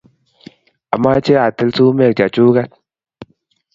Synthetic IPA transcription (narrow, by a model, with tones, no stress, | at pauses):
a˨mːa˦t͡ʃe˦a˨tə˦lsu˦me˦˨k̚d͡ʒa˨t͡ʃu˦ka˦t̚